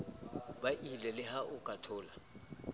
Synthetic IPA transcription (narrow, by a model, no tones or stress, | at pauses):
baʔilɛlɪhaʔʊkʼatʰɔːla